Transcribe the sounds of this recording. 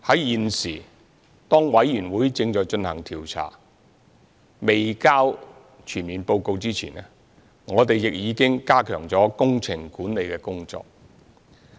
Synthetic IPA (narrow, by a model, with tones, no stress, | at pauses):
hɐ˨˥jjiː˨nsiː˨˩ | t̪ɔː˥ŋwɐ˨˥jːyː˨˩nwuː˨˥jt͡sɪ˧ŋt͡ʃɔː˨jt͡ʃɵ˧nhɐ˨˩ŋt̪ʰiː˨˩wt͡sʰa̰ː˨˩ | me˨jkaː˥w | t͡ʃʰyː˨˩nmiː˨npo˧wko˧wt͡siː˥t͡sʰḭː˨˩nɛ˥ | ŋɔː˨˧t̪̬e˨jjɪ˨k̚jiː˨˧kɪ˥ŋkaː˥kʰœː˨˩ŋt͡sɔː˨˥kʊ˥ŋt͡sʰɪ˨˩ŋkuː˨˥nle˨˧jkɛː˧kʊ˥ŋt͡sɔ̰ː˧k̚